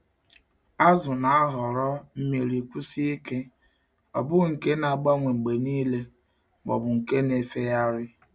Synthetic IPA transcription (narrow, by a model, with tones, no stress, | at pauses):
a˦zʊ˨na˨a˦ɦɔ˨ɾɔ˦m̩˦me˨ɾi˨kʷu˦si˦i˦ke˦ | ɔ˨bʊ˦ɣŋ̩˨ke˦na˨ɡ͡ba˦ŋʷe˨ŋ͡m̩˨ɡ͡be˨niː˦le˦ | mɔ˨bʊ˨ŋ̩˨ke˦ne˨fe˦ja˦ɾɪ˦